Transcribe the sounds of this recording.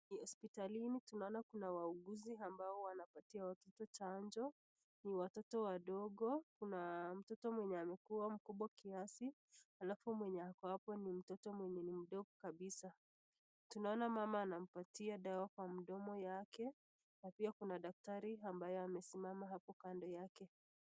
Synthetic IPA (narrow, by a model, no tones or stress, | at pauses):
nihɔspitalinitunaɔnakunawauɡuziambaɔwanapatiawatɔtɔt͡ʃand͡ʒɔ | niwatɔtɔwaɗɔɠɔkunam̩tɔtɔmwɛɲɛamɛkuwam̩kuɓwakiasi | halafumwɛɲɛakɔapɔnim̩tɔtɔmwɛɲɛnim̩ɗɔkɔkaɓisa | tunaɔnamamaːnam̩patiaɗawakwam̩ɗɔmɔjakɛ | napiakunaɗak̚taɾiambajɔamɛsimamaɦapɔkandɔjakɛ